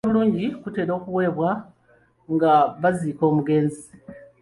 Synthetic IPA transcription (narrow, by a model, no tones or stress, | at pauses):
βuluːɲɟikute̞ːɾo̞ːkuwe̞ːβwa | ŋɡaβaziːko̞ːmuɡe̞ːnzi